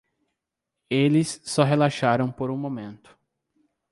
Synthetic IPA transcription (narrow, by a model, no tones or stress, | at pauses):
elɪsːɔɦelaʃaɾɐ̃w̃poɾũmõmẽnt̪ʊ̥